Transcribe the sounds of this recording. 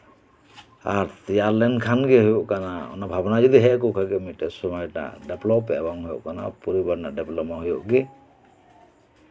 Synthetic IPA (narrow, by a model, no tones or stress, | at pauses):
aɾt̪ijaɾlɛnkʰanɡɛɦɔjɔʔkanaɔ̰nabʱabɔnad͡ʒid̪iɦɛʔkɔkʰaɡɛmiʈɛsɔmajna̰ʔɖɛplɔpɛ̰ʔbaŋɦɔjɔ̰ʔkana̰pɔɾibaɾnaʔɖɛplɔmaɦɔjɔʔɡɛ